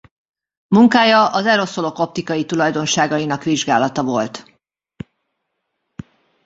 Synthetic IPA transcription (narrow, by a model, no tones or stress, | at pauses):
muŋkaːjɒʔɒzɛɾo̞so̞lo̞ko̞p̚t̪ikɒjit̪ulɒjd̪o̞nʃaːɡɒinɒkʋiʒɡa̰ːlɒt̪ɒvo̞lt̪